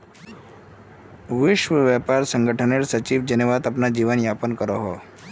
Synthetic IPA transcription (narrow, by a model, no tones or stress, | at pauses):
ʋiʃʋəʋjapaɾsəŋɡəʈʰəneɭsət͡ɕiːʋd͡ʑəneʋad̪əpnad͡ʑiʋənjapənkəɾɔɦɔ